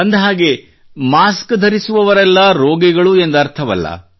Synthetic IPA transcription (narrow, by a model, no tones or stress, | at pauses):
ɐnd̪ɦaːɡe̞ | maːskd̪ʱɐɾisuʋɐʋɐɾɛlːɐɾoːɡɛɡɐɭue̞nd̪ɐɾt̪ʰɐʋɐ̰lːɐ̰